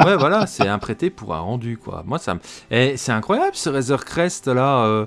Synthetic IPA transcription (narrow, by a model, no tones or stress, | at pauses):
wɛvwalasɛɛ̃pχet̪epuʁɛ̰̃ʁɑ̃d̪ykwa̰mwasa̰mɛsɛɛ̃kχwajablsəʁɛzœʁkχɛst̪laø